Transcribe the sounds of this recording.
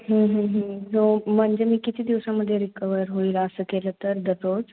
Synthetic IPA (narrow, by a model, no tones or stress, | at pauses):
ɦə̃ːɦə̃ɦə̃tom̤əɳd͡ʑemiːkit̪ʰiːd̪iʋsaməd̪ʱːjeɾikəʋəɾɦoilasəkelət̪əɾd̪ət̪ot͡s